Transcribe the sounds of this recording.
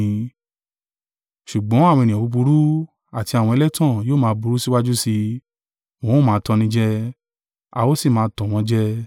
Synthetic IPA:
ʃu˨ɡ͡bɔ̃˨˦a˦˨w̃ɔ̃˧e˨nĩ˨ɔ̃˨bu˨˧bu˧ɾu˦ | a˨ti˧a˨wɔ̃˧e˧lɛ˦tã˦˨joː˦˨mãː˦˧bu˧ɾu˦si˦wa˦d͡ʒu˦si˧ | mõ˦o˦˨mãː˨˦˧tɔ̃˧nĩ˧d͡ʒɛ˦ | a̰˧wo˦si˦˨mãː˨˦˧tɔ̃˨w̃ɔ̃˧d͡ʒɛ˦

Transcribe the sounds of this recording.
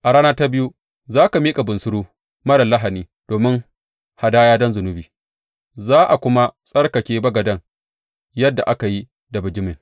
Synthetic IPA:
ʔa˨ɽaː˦naː˦ta˦bɪ˦ju˦ | zaː˦ka˨miː˦kʼa˨bʊ˨nsʊ˦ɽuː˦ | mɐ˦ɽɐ˨lːɐ˦ɦa˨niː˦ | d̥oː˨mɪ˦ŋ | ha˨daː˦jaː˦dɔ˦nzʊ˨nʊ˦biː˨ | zaː˦ʔa˨kʷʊ˦ma˦sʼɐ˦rka˨kʲeː˨bɐ˦ɡɐ˨dɐ˦ŋ | jɐ˦dːa̰˨ʔa˦ka˨ji˦ | da˨bɪ˨d͡ʒɪ˦mɪ˨ŋ

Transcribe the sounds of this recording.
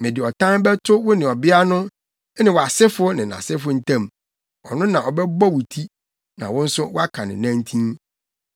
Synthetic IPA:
mɪ̃˨dɪ˨ɔ˨tʰã˦bɛ˦tʰʊ˦wʊ˦nɪ̃˨ɔ˨bɪ˦a˦nʊ̃˦ | nɪ̃˨wɔ˨a˨sɪ˦fʊ˦nɪ̃˨nã̰˨sɪ˦fʊ˦n̩˨tʰã˦˨m | ɔ˨nʊ̃˦nã˨ʔɔ˨bɛ˦bɔ˦wu˨tʰi˦ | nã̰˨wʊ̃˦n̩˦sʊ˦wɔ˦a˦kʰa˨nɪ̰̃˨nã˦ntʰĩ˦n

